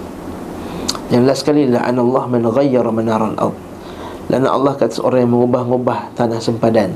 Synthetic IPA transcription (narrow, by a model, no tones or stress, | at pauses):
janlahsə̥kalilaʔa̰nɑlˤːɑhmanɣajːɑɾmanaɾˤalʔɑ̰d̪̚ | lḭʔa̰na̰ʔɑ̰lːɑhkat̪ḁso̰ɾaŋjaŋməŋubahŋubaht̪anahsəmpadan